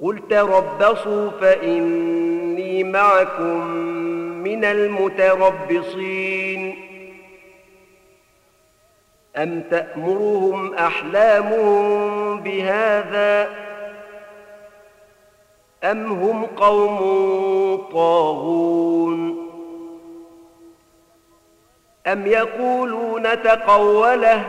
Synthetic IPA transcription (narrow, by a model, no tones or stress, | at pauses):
qʊlt̪aɾˤɑbːɑsˤuːfaʔɪnːiːmaʕakʊmː | ɪnalmʊt̪ɑɾˤɑbːɪsˤiːn | ʔamt̪aʔmʊɾʊhʊmʔaħlaːmʊhʊmbɪhaːðaː | ʔamɦʊmqɑwmʊt̪ˤɑːɣuːn | ʔamjɑquːluːnat̪ɑqɑwːala